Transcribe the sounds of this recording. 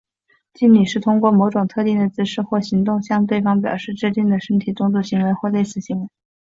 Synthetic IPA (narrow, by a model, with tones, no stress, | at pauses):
t͡ɕi˥˩nli˨˩ʂɻ̩˥˩t̪ʰʊ˥ŋkwɔ˥˩mo˧˥ʊʈ͡ʂʊ˨˩ŋt̪ʰɤ˥˧t̪i˥˩ŋd̪ə˩t͡sɹ̩˥ʂɻ̩˥˧xwɔ˥˩ɕi˧˥ŋt̪ʊ˥˧ŋɕjɑ˥˧ŋt̪we˥˩ɪfɑ˥ŋp̬jɑ̰˨˩ʊʂɻ̩˥˧ʈ͡ʂɻ̩˥˧t̪i˥˩ŋd̪ə˩ʂə˥nt̪ʰi˨˩t͡s̪ʊ˥ŋt͡su˥˩ɕi˧˥ŋwe˧˥ɪxwɔ˥˧le˥˧ɪt͡sʰɹ̩˥˩ɕi˧˥ŋwe˧˥ɪ